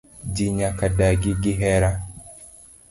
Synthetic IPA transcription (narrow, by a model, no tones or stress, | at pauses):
d͡ʒiɲakadaɡiɡiɦɛɾa